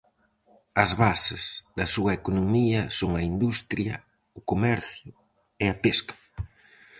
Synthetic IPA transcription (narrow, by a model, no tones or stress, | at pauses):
ɐzβasɪz̥ðɐsuɐekonomiɐsoŋɐind̪ust̪ɾjɐ̰ | ʊkomɛɾθjʊ | eɐpeskɐ̥